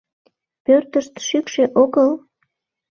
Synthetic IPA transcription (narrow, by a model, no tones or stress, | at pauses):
pørt̪əʃt̪ʃykʃeʔoɣəl